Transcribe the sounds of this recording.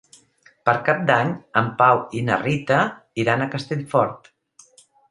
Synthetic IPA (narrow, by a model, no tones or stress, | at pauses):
pəɾkap̚d̪aɲəmpawinə̰rit̪ə | iɾanəkəst̪eʎfɔɾt̪